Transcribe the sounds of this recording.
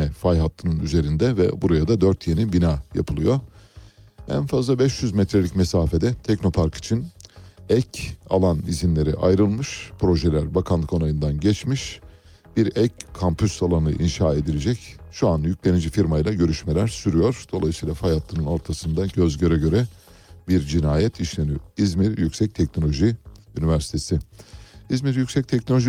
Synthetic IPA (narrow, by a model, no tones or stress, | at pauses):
ɛfajɦat̪ːɯnɯnyze̞ɾind̪ɛvɛ̰buɾajad̪ad̪øɾt̪ʰje̞nibinaːja̰pʰɯlˠɯjo̞ | æ̰nfazlˠabɛʃjyzmɛt̪ɾelʲicmesaːfe̞d̪ɛt̪ʰɛcno̞pʰaɾkʰi̥t͡ʃʰinɛca̰lˠanizinlʲe̞ɾḭʔa̰jɾɯlˠmɯʃpʰɾo̞ʒelʲæɾbakʰanlˠɯko̞najɯnd̪anɟɛt͡ʃmiʃ | b̥iɾɛckʰːampʰysalˠanɯ̰ʔinʃaːe̞d̪ilʲed͡ʒɛcʃuanjycʲlʲe̞nid͡ʒifiɾmajlˠaɟø̞ɾyʃmelʲæɾsyɾyjo̞ɾ̥d̪̥o̞lˠajɯsijlˠafajat̪lˠɯnɯno̞ɾt̪ʰasɯnd̪aɟøzɟø̞ɾɛɟø̞ɾɛ | biɾd͡ʒinaːjɛt̪ʰiʃlʲenyøizmiɾjycsɛc̚t̪ʰɛcno̞lʲo̞ʒiynivæɾsi̥t̪ʰe̞si | izmiɾjycsɛc̚t̪ʰɛc̚nolʲoʒi